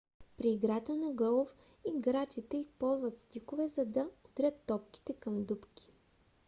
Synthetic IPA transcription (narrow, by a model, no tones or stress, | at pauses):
pɾiːɡɾat̪ənɐɡɔlˠof | iɡɾat͡ʃit̪ɛispɔlˠzvɐt̪st̪ikovɛzɐd̪ɐot̪ɾʲət̪ːɔp̚ki̥t̪ɛkɐmd̪upkʲi̥